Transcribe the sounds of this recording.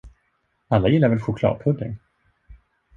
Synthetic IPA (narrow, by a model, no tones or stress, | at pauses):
alːajɪlːaɾvɛlɧʊkʰlɑ̰ːd̪̚pʰɵd̪ːɪ̰ŋ